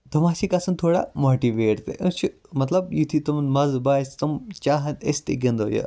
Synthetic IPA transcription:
t̪ɐmaːsikɐsɐnt̪ʰoːɽa̰moːʈiʋeːʈt̪ḛʔɨt͡ʃʰi | mɐt̪lɐbjit̪ʰit̪ɐmnmɐzbaːsʲt̪ɐmt͡ʃaːɦɐnesʲt̪eɡɐnd̪oːjɐ̰

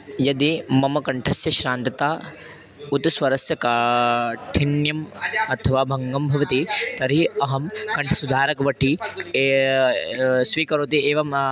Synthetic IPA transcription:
jɐd̪imɐmɐkɐɳʈʰɐsjɐʃɾaːnt̪ɐt̪aː | ut̪sʋɐɾɐsjɐka | ʈʰiɳjɐmɐt̪ʰɐʋaːbʱɐŋɡɐmbʱɐʋɐt̪it̪ɐɾiɐɦɐmkɐɳʈʰɐsud̪ʱaːɾɐkɐʋɐʈʰi | sʋiːkɐɾoːt̪ieːʋɐm

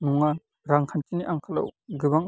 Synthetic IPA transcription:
nuŋa | ɾaŋkʰantʰiniʔaŋkʰala̰wɡɯbaŋ

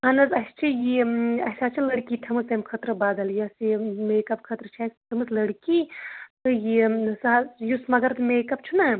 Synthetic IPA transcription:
ɐnɐzɐst͡ʃʰijiɐsʲaːt͡ʃʰilɐɽkiːtʰɐmɨsɐmkʰɐt̪ɾɨbaːd̪ɐljɐsimeːkɐbkʰɐt̪ɾɨt͡ʃʰaːstʰɐmɨszlɐɽkiːt̪ɨjisajusmɐɡɐɾt̪meːkɐb̚t͡ʃʰuna

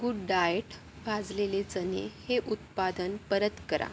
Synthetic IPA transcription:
ɡuɖɖajeʈ | ʋʱad͡zlelet͡sənḛheʔut̪̚pad̪ənpəɾət̪kəɾa̰

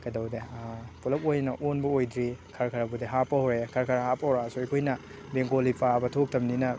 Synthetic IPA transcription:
kɐjdɐwdepulɐp̚ojnɐʔonbɐojdɾikʰɐɾkʰɐɾabudeɦapːɐhoɾekʰɐɾkʰɐɾahapːɐhoɾasuekʰojnɐ | beŋkolipʰabɐtʰok̚tʰɐmninɐ

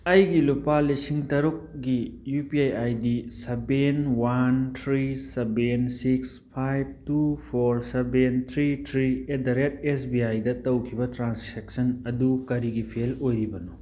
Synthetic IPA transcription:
ɐjɡilupalisiŋtɐɾuk̚ɡijupiajajdisɐbenwantʰɾisebensikspʰajb̚tupʰoɾsebent̪ʰɾitʰɾiedaɾet̚esbiajdɐtɐwkʰibɐtɾansʰek̚sɐnɐdukɐɾiɡipʰelojɾibɐnu

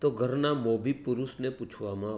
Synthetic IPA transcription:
t̪oɡʱəɾnamoːbipʊɾusnẽpʊt͡ʃʰʋamã

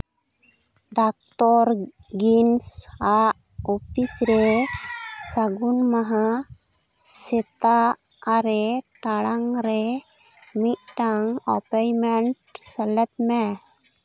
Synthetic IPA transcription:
ɖak̚ʈɔɾ | ɡinsaʔ | ɔpʰisɾɛ | saɡunmaɦa | sɛt̪aː | ɾɛʈaɽaŋɾɛ | mit̪̚ʈaŋɔpajmɛɳʈsɛlɛt̪mɛ

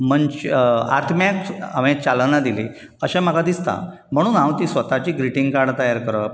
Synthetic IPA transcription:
m̤əɳt͡ɕa̰ɾt̪ʰmjakamẽt͡ɕalnad̪ili | əɕɛ̃m̤akad̪ist̪a̰ | m̤əɽ̃uːnãwt̪iːsʋət̪at͡ɕiːɡɾiʈĩŋɡkaɾɽt̪əjaɾkəɾəp

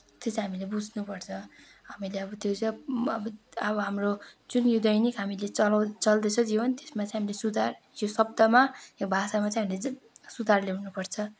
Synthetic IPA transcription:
t̪jet͡sãɦamilebud͡zʱnupʌrt͡sʰʌ | ɦamileʌbʌt̪jot͡sʌjʌbʌʌbʌɦamrod͡zunjud̪ʌjnikɦamilet͡sʌlʌwt͡sʌld̪et͡sʰʌd͡zibʌnt̪e̥smat͡sʌj̃ɦamilesud̪ʱar | jjosʌb̚d̪ʌmajekbʱasamat͡sʌj̃ɦamile | sud̪ʱarlewnupʌrt͡sʰʌ

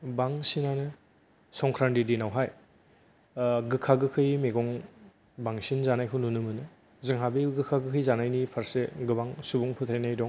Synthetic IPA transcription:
baŋsinanɯ | sɔŋkʰɾandidinawɦaj | ɡɯkʰaɡɯkʰɯjmeɡɔŋ | baŋsinzanajkʰɯnunɯmɯnɯ | zɯŋɦabeɡɯkʰaɡɯkʰɯjzanajnipʰaɾseɡɯbaŋsubuŋpʰɯt̪ʰajnajdɔŋ

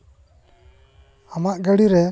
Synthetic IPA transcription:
amaʔɡəɽiɾɛ

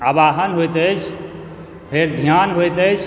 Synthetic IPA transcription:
abaɦənɦojt̪əjt͡ʃʰ | pʰeɾd̪ʱjanɦojt̪ət͡ʃʰ

